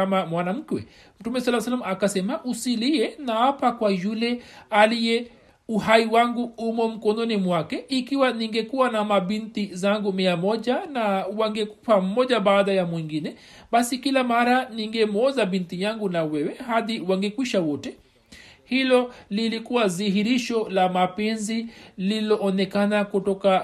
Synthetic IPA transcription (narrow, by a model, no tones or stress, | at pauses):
kamamwanam̩kwɛ | m̩tumɛswalawsalamakasɛmaʔusiliɛnaapakwajulɛalijɛ | uhaiwaŋɡuumɔm̩kɔnɔnimwakɛikiwaniŋɡɛkuwanamaɓintizaŋɡumiamɔʄanawaŋɡɛkupam̩mɔʄaɓaːðajamwiŋɡinɛ | ɓasikilamaɾaniŋɡɛmɔzaɓintijaŋɡunawɛwɛhaðiwaŋɡɛkwiʃawɔtɛ | hilɔlilikuwaziɦiɾiʃɔlamapɛnzililɔʔːnɛkanakutɔka